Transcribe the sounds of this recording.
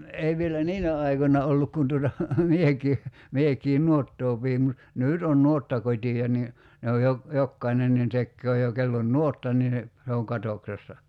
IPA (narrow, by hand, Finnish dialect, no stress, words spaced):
ei ʋielæ niːnæ ɑikonːɑ olːuk kun tuotɑ mieki miekiː nuotːoː piːm mut nyˑt on nuotːɑkotʲiɑ ni ne oj jo jokːɑinen nin tekːøː jo kelː on nuotːɑ niː se oŋ kɑtoksesːɑ